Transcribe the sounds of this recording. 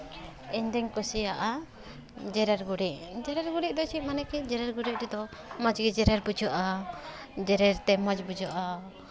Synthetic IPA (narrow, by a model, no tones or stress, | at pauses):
iɲd̪ɛŋkɔsijaʔa | d͡ʒɛɾɛɾɡuɽiʔ̚d͡ʒɛɾɛɾɡuɽiʔ̚d̪ɔt͡ʃʰiʔ̚manɛkid͡ʒɛɾɛɾɡuɾiʔ̚ɾɛd̪ɔmad͡ʒɡid͡ʒɛɾɛɾbud͡ʒɔʔa | d͡ʒɛɾɛɾt̪ɛmad͡ʒbud͡ʒɔʔa